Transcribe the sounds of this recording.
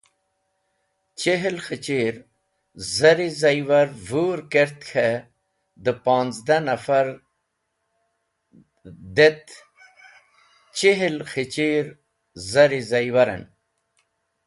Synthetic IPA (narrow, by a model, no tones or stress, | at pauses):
t͡ɕeɦilxit͡ɕiːɾ | zɐɾizɐjwɐɾvuːɾkeɾt̪kʰe | d̪əpaːnzd̪anɐfaɾ | d̪et̪ | t͡ɕiɦilxit͡ɕiɾ | zɐɾizɐjwɐɾɐ̰n